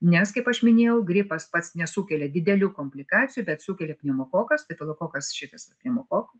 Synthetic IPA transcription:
nʲɛskɐɪpɐʃmʲɪnʲeːjɛʊɡɾʲɪpɐspɐt̪snʲɛsuːkʲɛlʲɛd̪ʲɪd̪ʲɛlʲuːkoːmʲpʲlʲɪkɑːt͡sʲɪjuːbʲɛt̪suːkʲɛlʲɛpʲnʲɛmoːkoːkɐst̪ɐɪt̪ɐlˠokoːkɐsʃʲɪt̪ɐsɐpʲnʲɛmoːkoːkɐ

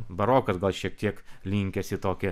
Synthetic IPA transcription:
bɐɾoːkɐsɡɐlˠʃʲiɛk̚t̪ʲiɛklʲiŋʲkʲɛsʲɪt̪oːkʲɪ

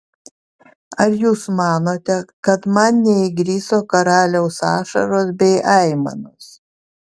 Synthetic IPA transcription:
ɐɾjuːsmɑːnoːt̪ʲɛkɐt̪mɐnnʲɛɪɡɾʲiːsoːkɐɾɑːlʲɛʊsɑːʃɐ̰ɾoːsbʲɛɪʔɐɪmɐ̰noːs

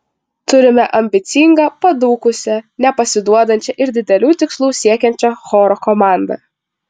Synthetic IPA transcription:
t̪ʊɾʲɪmʲɛʔɐmʲbʲɪt̪sʲɪŋɡɐpɐd̪uːkʊsʲɛnʲɛpɐsʲɪd̪uɔd̪ɐnʲt͡ʃʲɛʔɪɾd̪ʲɪd̪ʲɛlʲuːt̪ʲɪkslˠuːsʲiɛkʲɛnʲt͡ʃʲɛxɔːɾɔkɔmɑˑnd̪ɐ̰

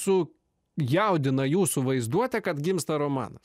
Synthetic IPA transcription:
sʊ | jɛʊd̪ʲɪnɐjuːsʊʋɐɪzd̪uɔt̪ʲɛkɐt̪ɡʲɪmst̪ɐɾoːmɑ̰ːnɐs

